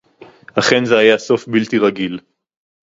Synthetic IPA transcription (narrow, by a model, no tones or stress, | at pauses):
haχe̞nzeajaso̞fbilt̪iʁaɡil